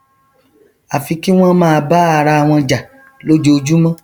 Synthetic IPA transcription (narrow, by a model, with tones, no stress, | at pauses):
a˨fi˧ki˦w̃ɔ̃˦mãː˦˧ba˦a˧ɾa˧a˨w̃ɔ̃˧d͡ʒa˨ | lo˦d͡ʒo˦o˧d͡ʒu˦mã˦